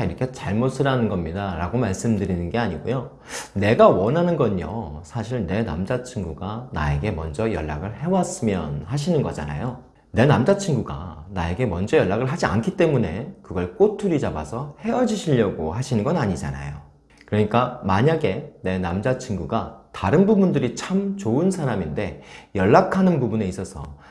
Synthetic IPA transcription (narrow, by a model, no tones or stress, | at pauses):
iɾʌkʰe̞t͡ɕaɭmosʰɯɾanɯnɡʌmɲidaɾa̰ɡomaɭs͈ɯmdɯɾinɯnɡe̞aɲiɡojo | ne̞ɡawʌnɦanɯnɡʌɲo̰sʰaɕʰiɭne̞na̰md͡ʑat͡ɕʰiŋɡuɡana̰e̞ɡe̞mʌ̰nd͡ʑʌjʌ̰ɭːa̰ɡɯɭhe̞was͈ɯmjʌnhaɕʰinɯnɡʌd͡ʑa̰na̰jo | ne̞namd͡ʑat͡ɕʰiŋɡuɡa̰nae̞ɡe̞mʌnd͡ʑʌjʌɭːaɡɯɭɦad͡ʑia̰nkʰit͈e̞mune̞kɯɡʌɭk͈otʰuɾid͡ʑabasʰʌhe̞ʌd͡ʑiɕʰiʎːʌɡohaɕʰinɯnɡʌnaɲid͡ʑa̰na̰jo | kɯɾʌɲik͈amaɲaɡe̞ne̞namd͡ʑat͡ɕʰinɡuɡataɾɯnbubundɯɾit͡ɕʰamt͡ɕoɯnsʰaɾaminde̞jʌɭːakʰanɯnbubune̞is͈ʌsʰʌ̰